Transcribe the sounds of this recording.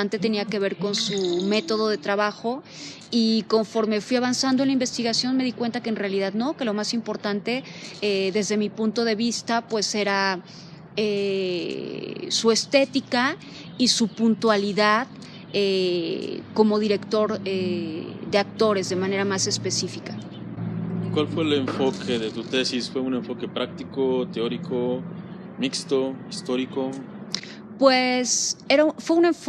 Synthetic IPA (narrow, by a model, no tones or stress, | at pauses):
ant̪e̞t̪e̞niake̞β̞e̞ɾko̞nsume̞t̪o̞ð̞o̞ðe̞t̪ɾaβaxo̞ | iko̞ɱfo̞ɾme̞fwiaβansand̪onlaimbe̞st̪iɣasjo̞nme̞ðikwe̞nt̪akeːnrealiðaðno̞ke̞lo̞masimpo̞ɾt̪ant̪e̞eðe̞zðe̞mipunt̪o̞ð̞e̞β̞ist̪apwe̞se̞ɾa | e | sue̞st̪e̞t̪ika | isupunt̪waliðað | e | ko̞mo̞ðiɾe̞kt̪o̞ɾeðe̞ak̚t̪o̞ɾe̞zðe̞mãne̞ɾamase̞spe̞sifika | kwalfwe̞ːleɱfo̞kʰeðet̪ut̪e̞sisfwe̞une̞ɱfo̞ke̞pɾak̚t̪ikot̪eoɾiko | mikst̪o̞ist̪o̞ɾiko | pwese̞ɾafweune̞ɱf